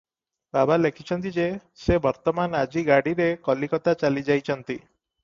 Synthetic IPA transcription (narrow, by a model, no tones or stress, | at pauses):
babalekʰit͡ʃʰɔnt̪id͡ʒesebɔɾt̪ɔmanad͡ʒiɡaɽiɾekɔlikɔt̪at͡ʃalid͡ʒajt͡ʃʰɔnt̪i